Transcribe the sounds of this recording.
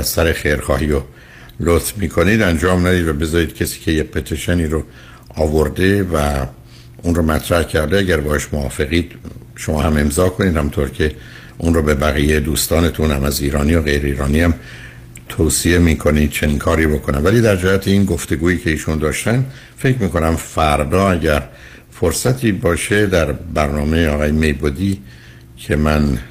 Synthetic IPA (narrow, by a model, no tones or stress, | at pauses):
æzsæɾexejɾxɒːhijo | lot̪fmiːkʰo̞niːd̪ænd͡ʒɒːmnæd̪iːd̪væbe̞zɒːɾiːd̪̥cʲʰesi̥ːcʰe̞jepʰet̪ʰeʃeniːɾo | ɒːvoɾd̪e̞væ | unromæt̪ʰɾæhcʰæɾd̪eæɟæɾbɒːheʃmoɒːfe̞ɣiːd̪̥ | ʃomɒːhæme̞mzɒːkʰo̞nid̪hæmint̪ʰoɾcʰe̞ | ʔunroːbe̞bæɣiːjejd̪uːst̪ɒːnet̪ʰunhæmæziːɾɒːniːjoɣe̞jɾeiːɾɒːniːhæm | t̪ʰoːsie̞miːkʰo̞nid̪̥̚t͡ʃʰe̞niːnkʰɒːɾiːbo̞kʰo̞næmvæliːd̪æɾd͡ʒæhæt̪ʰeiːnɡoft̪e̞ɡuːiːcʰe̞iːʃund̪ɒːʃt̪ænd̪ | fe̞cʰmiːko̞næmfæɾd̪ɒːæɟæɾ | foɾsæt̪ʰiːbɒːʃe̞d̪æɾbæɾnɒːme̞jeɒːɣɒːjeme̞jbod̪iː | cʰe̞mæn